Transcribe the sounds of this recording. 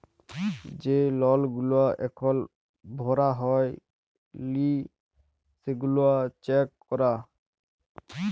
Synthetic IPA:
d͡ʒelɔlɡuloaʔɛ̰kʰɔl | bʱɔɾaɦɔj | li | seɡuloat͡ʃɛkːɔɾa

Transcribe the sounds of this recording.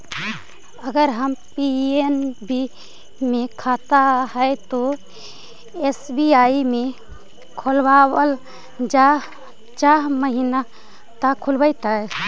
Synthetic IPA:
əɡəɾɦəmpienbi | mẽkʰat̪aɦət̪o | esbiaimẽ | kʰolbawəl | d͡ʒa | t͡ʃaɦməɦina | t̪əkʰulbəjt̪a

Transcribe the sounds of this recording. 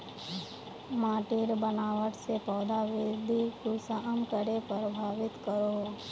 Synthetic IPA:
maːʈɪɾbənaːʋəʈsepɔːd̪aʋɪd̪ʱikusəʔəmkəɽepəɾbʱaːʋɪt̪kəɾo

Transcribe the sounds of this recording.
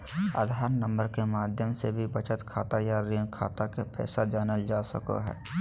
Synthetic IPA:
a̰d̪ʱaːɾnə̃mbəɾkemaːd̪ʱjəmsebʱibət͡ʃət̪kʰaːt̪ajaɾiənkʰa̰ːt̪akepɛ̰ːsad͡ʒaːnəld͡ʒaːsəka̰ɦɛ̰ː

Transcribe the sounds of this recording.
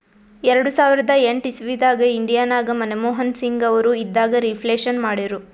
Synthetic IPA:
ɛɾɐɽusaːʋiɾɐd̪ɐeɳʈisiʋid̪aːɡɐiɳɖijaːnaːɡɐmɐnemɔːɦɐnsiŋɡɐʋɐɾuid̪ːaːɡɐɾipʰleːʃɐnmaːɽiɾu

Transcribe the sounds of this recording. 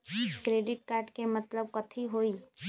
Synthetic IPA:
kɾeːɖɪʈkaːɾɖkemɐt̪ləb̚kɐt̪ʰiɦoːiː

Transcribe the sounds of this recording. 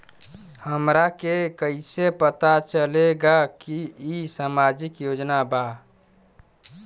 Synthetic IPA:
həmɾakekəɪsepət̪at͡ʃəleɡakiisamad͡ʒikjod͡ʒnaba

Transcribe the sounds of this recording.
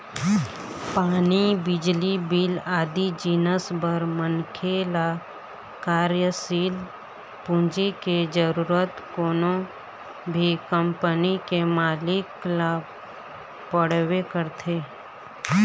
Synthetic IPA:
paːnibɪd͡ʒlibilaːd̪id͡ʒiːnəsbəɾmənkʰela | kaːɾjəsiːl | pũɲd͡ʒiked͡ʒəɾuːɾət̪koːnõ | bʱikəmpənikemaːlɪklaːb | pəɽ̤wekəɾt̪ʰeː

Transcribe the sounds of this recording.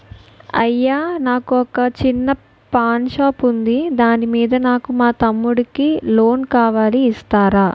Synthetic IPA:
ɐ̰jːaːnaːkuɔkɐt͡ʃinːɐ | paːnʃaːpund̪id̪aːnimiːd̪ɐnaːkumaːt̪ɐmːuɽukilo̞ːnkaːʋaːliːst̪aːɾaː

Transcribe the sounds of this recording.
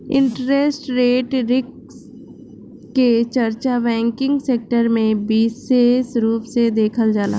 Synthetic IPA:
ɪ̰̃ɳʈɾesʈɾeːʈɾɪk | s | ket͡ʃəɾt͡ʃabɛ̃ːŋkɪ̃ŋɡseːk̚ʈəɾmẽbiːsesɾuːpsed̪eːkʰəld͡ʒaːla̰

